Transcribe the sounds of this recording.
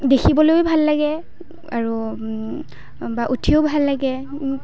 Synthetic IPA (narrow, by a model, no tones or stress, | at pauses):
dexʰibɔlojbʱalːaɡɛ | aɹu | baʔutʰiʊbʱalːaɡɛ